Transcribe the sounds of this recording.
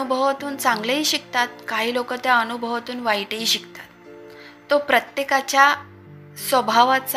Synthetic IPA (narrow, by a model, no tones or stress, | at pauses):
ubʱəʋat̪uːnt͡sãŋɡləɦiːɕik̚t̪at̪̚kaɦiːlokət̪jaənubʱəʋat̪uːnʋaiʈəɦiːɕikt̪ḁt̪ː | opɾət̪jekat͡ɕja | sʋəbʱaʋat͡s